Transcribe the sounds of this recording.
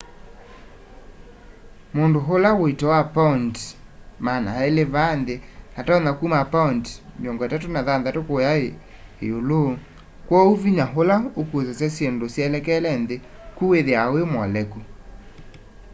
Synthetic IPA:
mondoɦolawoitɔwapauntmanaeleβanðenatɔnakumapantmjɔŋɡɔatatonaðanðatokojae | ḛolo | kwɔuviɲaɦolaokuozasasjendosjalɛkɛlɛnðekuweðeawemwɔlɛku

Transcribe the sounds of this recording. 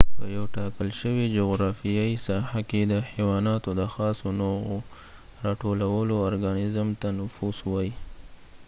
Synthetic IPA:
pəjawʈɑkəlʃəwid͡ʒoɣɾɑfijaisɑhaked̪əxiwɑnɑt̪od̪əxɑsonowo | ɾɑʈolawəloaɾɡanɪzmt̪anʊfuswɑji

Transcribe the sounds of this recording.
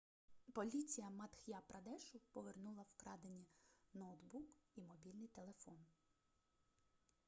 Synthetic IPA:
pɔlʲit͡sʲijɐmɐt̪xʲjapɾɐd̪ɛʃʊpɔʋernulˠɐwkɾɑd̪enʲːinɔwt̪bukimɔbʲilʲnɪjt̪elˠefɔn

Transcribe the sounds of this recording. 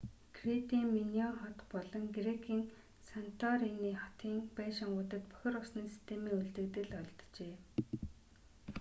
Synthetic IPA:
ɡ̥ret̪iːŋminiɔnχɔt̪pɔɮɞ̆ŋɡrekʰiːŋ | san̥t̪ʰɔɾiniːχɔ̥t̪iːŋpenʃaɴɢʊːt̪ə̆t̪pœ̥xʲɪ̆rʊsniːsi̥st̪ʰeːmiːŋuɮt̪ɘ̆kt̪ɘ̆ɮɔɮt̪t͡ɕeː

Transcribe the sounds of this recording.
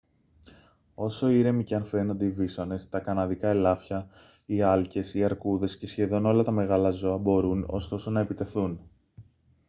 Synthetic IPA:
o̞so̞iɾe̞miceɐnfe̞no̞nd̪eivisone̞st̪ɐkɐnɐðikɐe̞lɐfçɐ | iɐlce̞siɐɾkuðe̞sce̞sçe̞ðo̞no̞lɐt̪ɐme̞ɣɐlɐzo̞ɐbo̞ɾuno̞̰st̪o̞so̞nɐe̞pit̪e̞θun

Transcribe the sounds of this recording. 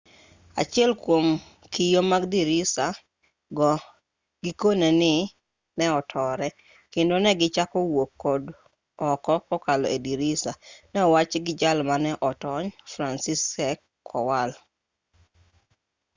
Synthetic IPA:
a̰t͡ʃɪɛlkwom | kijomaɡdiɾisa | ɡɔ | ɡɪkonenɪ | nɛɔtʰɔɾɛ | kendonɛɡɪt͡ʃakɔwokːɔd | ɔkɔkɔkalɔediɾisanɛɔwat͡ʃɡɪd͡ʒalmanɛʔɔtɔɲfɾansisɛkʰː | ɔwal

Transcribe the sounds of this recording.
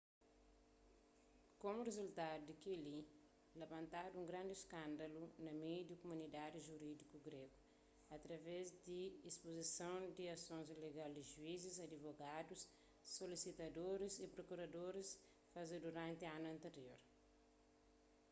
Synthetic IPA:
komurezult̪adud̪ikili | lavɐ̃nt̪aduũŋɡɾãnd̪iskãnd̪ɐlunɐmejd̪ikomunid̪ad̪iʒuɾid̪ikuɡɾeɡu | ɐt̪ɾɐvɛzd̪iispozisõwd̪iɐsõnzileɡald̪iʒuizizɐd̪ivoɡadusː | olisit̪ɐd̪oɾisipɾokuɾɐd̪oɾis | fazed̪uɾãnt̪ianuɐ̃nt̪eɾjoɾ

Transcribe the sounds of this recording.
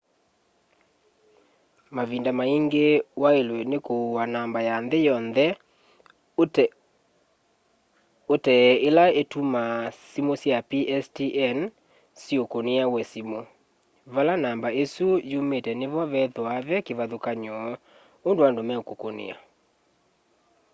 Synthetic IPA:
maβindamaiŋɡewaelwɛnekouwanambajanðejɔnðɛ | otɛelaetumasimosjapiʔɛstiʔɛn | siokoneawɛsimo | βalanambaesujumetɛneβɔβɛðwaβɛkeβaðokaɲɔ | ondoandomɛokokonḛa̰

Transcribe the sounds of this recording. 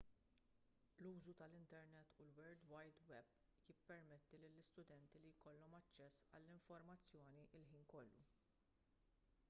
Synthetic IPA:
luːzut̪ɐlɪnt̪ɛɾnɛt̪ːulwɛɾd̪wɐjd̪wɛb | jɪpːɛɾmɛt̪ːilɪlːɪst̪ʊd̪ɛnt̪ilijkɔlːɔmɐt͡ʃːɛsːɐ̰lːɪɱfɔɾmɐt͡sːjɔːniʔɪlħiːnkɔlːṵ

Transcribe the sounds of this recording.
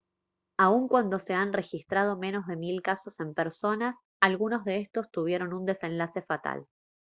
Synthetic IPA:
auŋkwand̪o̞se̞anre̞xist̪ɾað̞o̞me̞no̞zðe̞milkaso̞se̞mpeɾso̞nas | alɣuno̞zðe̞est̪o̞st̪uβje̞ɾo̞nund̪e̞sẽ̞nlase̞fat̪a̰l

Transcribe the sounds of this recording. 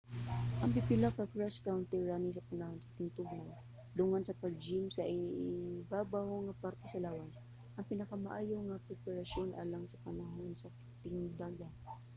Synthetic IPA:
ʔɐŋbɪpɪlakakɹaskawnt̪ɛɹːanisɐpanɐhonsɐ̥t̪ɪŋt̪ʊɡnan | d̪ʊŋansɐpaɡ̚d͡ʒɪmsɐʔɪbaːbahoŋɐpaɾt̪ɛsɐlaːwan | ʔɐŋpɪnɐkamaʔaːjoŋapɛpɛɾasonʔa̰ːlaŋsɐpanɐɦonsɐk | t̪ɪŋd̪aɡa

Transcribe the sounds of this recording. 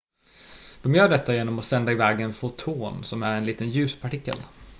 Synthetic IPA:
d̪̥ɔmjœːɖɛt̪ʰːajeːnɔmɔsɛnd̪aɪvɛːɡɛnfʊt̪ʰuːnsɔmæɾɛnliːt̪ənjʉ̟ːspʰaʈɪkːə̰l

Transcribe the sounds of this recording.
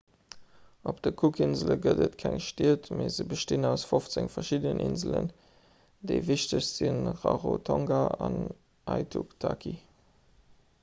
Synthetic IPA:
opd̥əkʰukʰinzəlɡədətkʰæŋʃtiətmezəbəʃtinæʊsfoft͡səŋfɐʃidənʔinzələ̰n | d̥eɪviɕtəɕz̥inʁɑʁotʰɑŋɡaɑn | ʔɑɪtʰuktʰakʰi

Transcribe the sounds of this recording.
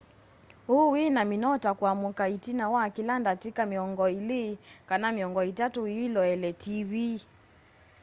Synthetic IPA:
huwinaminɔtakwamukaitinawaːkilandatikamiɔŋɡɔilikanamiɔŋɡɔitatuiilɔɛlɛtivi

